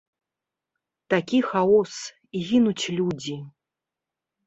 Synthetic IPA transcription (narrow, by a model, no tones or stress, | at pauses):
t̪akʲixaɔs | iɣʲinut͡sʲlʲud͡zʲi